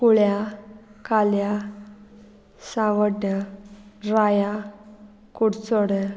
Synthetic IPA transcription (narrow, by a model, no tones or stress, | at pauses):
kuɭjakalja | sãʋəʈja | ɾaja | kuɽt͡soɽə